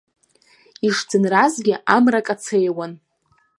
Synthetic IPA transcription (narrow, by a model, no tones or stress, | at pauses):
iʂd͡zɨnrazɡʲɪʔamrakʼat͡sʰejwan